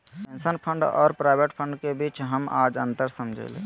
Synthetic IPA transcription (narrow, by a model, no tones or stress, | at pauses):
pensənpʰə̃ɳɖɔ̰ːɾpɾaːɪbeʈpʰə̃ɳɖkebiːt͡ʃɦəmʔa̰ːd͡ʒə̰̃nt̪əɾsəmd͡ʒʱḛlḛ